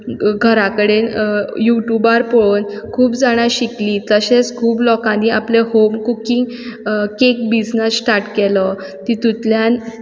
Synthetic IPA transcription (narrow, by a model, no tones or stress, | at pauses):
ɡʱəɾakəɽenjuʈjubaɾpɔɭonkʰuːpd͡zaɽ̃aɕikliːt̪əɕet͡skʰuːplɔkãnːiːaplehomkukiŋɡ | kek̚bid͡znəsʈaʈkelə | t̪it̪ut̪ljan